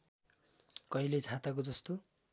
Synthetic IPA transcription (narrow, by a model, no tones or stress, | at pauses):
kʌilet͡sʰãt̪ak̬od͡zʌst̪o